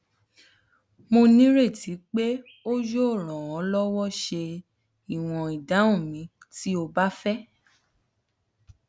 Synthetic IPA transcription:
mo˧nĩ˦ɾe˦˨ti˨˦k͡pe˦ | o˦d͡ʒo˦˨ɾ̃ɔ̃˨ɔ̃˨˦lɔ˦wɔ˦ʃe˧ | i˨w̃ɔ̃˨i˨da˨˦ũ˦˨mĩ˨˦ | ti˦o˧ba˦fɛ˦

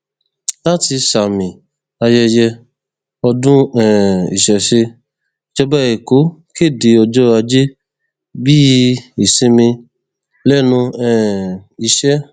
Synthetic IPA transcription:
la˦ti˧sa˨mĩ˨ | a˧jɛ˧jɛ˧ | ɔ˧dũ˦ɛ̃˨ḭ˨ʃɛ˨ʃe˧ | t͡ʃɔ˧bɛ˦e˨ko˨˦ke˦˨de˨˧ɔ˧d͡ʒɔ˦a˧d͡ʒe˦ | bi˦i˨se˧˦mĩ˧ | lɛ˦nũ˧ɛ̃˨i˨ʃɛ˦

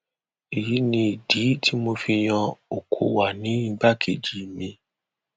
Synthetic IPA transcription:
i˨ji˨˦nĩ˧i˨di˨˦tʰi˦mo˧fi˧j̃ã˧o˨kʰo˧wa˨nĩ˨˦ɡ͡ba˦˨kʰe˨d͡ʒi˨mĩ˧

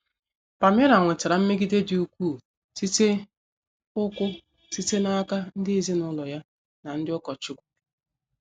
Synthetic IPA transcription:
pa˨m˦e˦ɾa˨ŋʷe˨tɪ˨ɾa˨m̩˦me˦ɡi˦de˦dɪ˨u˨kʷuː˦˨ | si˦te˦ | ʊ˦kʷʊ˦ | si˦te˦na˦ka˦n̩˦dɪ˦e˨zi˦nʊ˦lɔ˨ja˦ | na˨n̩˦dɪ˦ʊ˦kɔ˨t͡ʃʊ˦kʷu̥˨˦

